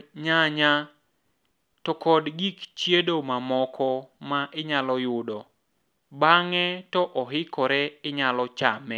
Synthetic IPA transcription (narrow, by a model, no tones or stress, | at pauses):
ɲaɲa | tɔkɔdɡikt͡ʃjedomamɔkʰɔmaʔɪɲalɔjʊdɔ | baŋɛtɔʔɔɦɪkɔɾɛɪɲalɔt͡ʃamɛ